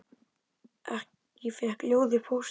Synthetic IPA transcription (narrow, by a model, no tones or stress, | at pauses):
ɛ̰h | jɪfɛhkljoːwðɪpʰows